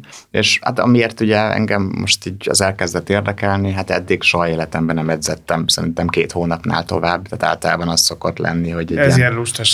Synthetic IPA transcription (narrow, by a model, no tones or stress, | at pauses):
ḛːʃa̰t̪ɒ̰mieːrt̪uɟɛɛ̰ŋɡɛmːo̞ʃt̪iːɟɒ̰zɛlkɛzd̪ɛt̪ːeːrd̪ɛkɛlniɦat̪ɛd̪ːiɡʃoɦɒeːlɛt̪ɛmbɛnɛmɛɟzɛt̪ːɛmsɛɾint̪ɛmkeːt̪hoːnɒpna̰ːlt̪o̞vaːbːt̪aːt̪a̰ːlt̪ɒlaːbɒnɒst̪so̞kot̪lɛ̰nːiɦo̞ɟɛzinluʃt̪ɛʃ